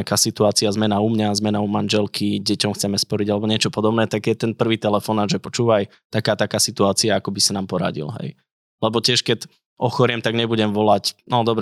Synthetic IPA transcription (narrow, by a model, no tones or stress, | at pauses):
akaːsit̪uaːt͡siazmɛnaumɲazmɛnaumanʒɛlkʰiɟɛcɔmxt͡sɛmɛspɔɾiɟalɛbɔɲɪɛt͡ʃɔpɔd̪ɔbnɛːt̪aɡjɛt̪ɛnpr̩ʋiːt̪ɛlɛfɔnaːʒɛpɔt͡ʃuːʋaj | t̪akaːt̪akaːsit̪uaːt͡siaakɔbisanaːmpɔɾa̰ɟḭlɦɛ̰j | lɛbɔcɛʃkɛɟ | ʔɔxɔɾɪɛmt̪aɡɲɛbuɟɛmʋɔlacnɔd̪ɔbɾ